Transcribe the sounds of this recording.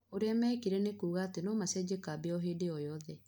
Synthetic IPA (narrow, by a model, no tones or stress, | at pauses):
oɾeamɛːkiɾɛnekuːɣaːtenɔːmasɛd͡ʑekaːbeɔɦeːdeɔjɔðɛ